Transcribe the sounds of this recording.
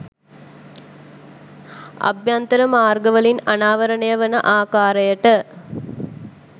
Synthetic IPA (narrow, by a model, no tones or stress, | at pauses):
ɐ̰bjant̪ɐɾɐmaːrɡəʋəlinɐnaːʋɐɾɐnɐjɐʋɐnəʔaːkaːɾɐjəʈə